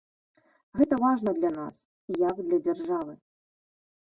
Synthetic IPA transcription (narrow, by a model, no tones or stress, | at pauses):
ɣɛt̪ɐvaʐnɐd̪lʲɐna̰s | ijɐɡd̪lʲɐd͡zʲarʐavɨ